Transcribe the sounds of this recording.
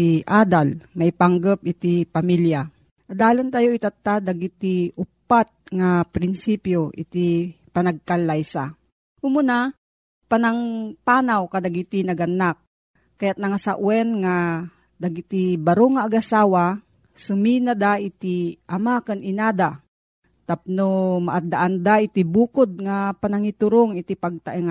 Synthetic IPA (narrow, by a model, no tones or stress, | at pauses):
iʔad̪almɐjpaŋɡəp̚ɪt̪ipamilja | laːlont̪ajoit̪at̪ːad̪aɡit̪iʊpːat̪̚ŋapɾɪnsipjoʔɪ̰t̪ipɐnɐɡ̚kalːajsa̰ | kʊmʊna | panaŋpanawkad̪aɡit̪inɐɡɐnːak̚ː | ajat̪̚nɐŋasaʔwɛnŋa | d̪aɡit̪ibɐɾoŋaːɡasaːwa | sʊminad̪aʔɪt̪iʔɐmakɐnɪnaːd̪a | t̪ap̚nomaʔad̪aʔand̪aʔɪt̪ibuːkod̪̚ŋapanaŋit̪ʊɾoŋɪt̪ipaɡ̚t̪aʔɛŋ